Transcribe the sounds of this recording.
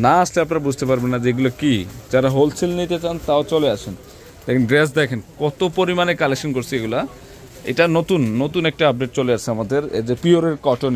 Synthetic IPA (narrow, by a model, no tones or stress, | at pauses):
naasleapnaɾabud͡ʑʱt̪epaɾbenːad͡ʑeeɡulokid͡ʑaɾaɦolt͡ɕʰilnit̪et͡ɕant̪aot͡ɕoleat͡ɕʰen | d̪ɛkʰenɖɾes̬d̪ɛkʰenkɔt̪opoɾimanekalekʃonkoɾt͡ɕʰieɡula | ḛjʈanot̪unːot̪unɛk̚ʈaap̚ɖeʈ̚t͡ɕoleat͡ɕʰeamad̪eɾḛd͡ʑepioɾeɾkɔʈon